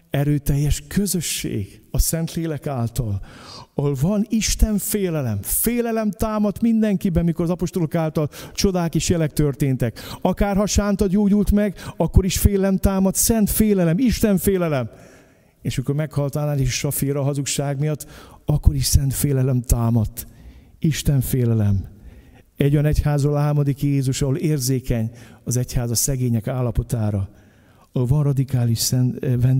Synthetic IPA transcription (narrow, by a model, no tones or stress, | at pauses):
ɛɾøːt̪ɛjːɛʃkʰøzø̞ʃːḛːɡɒsɛnt̪leːlɛkaːlt̪ɒlɒholvɒniʃt̪ɛɱfeːlɛlɛ̰mfeːlɛlɛmt̪aːmɒt̪mind̪ɛŋkibɛnmiko̞ɾɒzɒpo̞ʃt̪o̞lo̞kaːlt̪ɒlt͡ʃo̞d̪aːkeːʃjɛlɛk̚t̪ørt̪eːnt̪ɛkɒkaːrɦɒʃaːnt̪ɒɟoːɟult̪mɛɡɒkːo̞ɾiʃfeːlɛlɛmt̪aːmɒt̪sɛnt̪feːlɛlɛmiʃt̪ɛɱfeːlɛlɛm | eːʃɒmiko̞ɾmɛkhɒlt̪anaːleːʃʃɒfiɾɒɦɒzukʃaːɡmijɒt̪ːɒkːo̞ɾiʃsɛnt̪feːlɛlɛmt̪aːmɒt̪ːiʃt̪ɛɱfeːlɛlɛm | ɛɟːo̞jɒnɛchaːzroːlɒɦarmɒd̪ikjeːzuʃɒɦoleːrzeːkɛɲɒzɛchaːzɒsɛɡeːɲɛkaːlːɒpo̞t̪aːɾɒ | lvɒnrɒd̪ikaːliʃsɛnvɛn